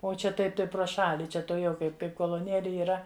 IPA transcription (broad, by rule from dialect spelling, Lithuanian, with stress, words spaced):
oː ˈt͡ʃʲɛ ˈtɐɪp ˈtɐɪ prˈoː ˈʃɑːlʲɪ ˈt͡ʃʲɛ tuɔˈjɛʊ ˈkɐɪp ˈkɐɪp koːlˠoːˈnʲeːlʲɪ iːˈrɐ